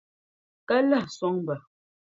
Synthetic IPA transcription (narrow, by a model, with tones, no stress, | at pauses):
ka˦la˦˨hswɔ˦ŋm˨bə˨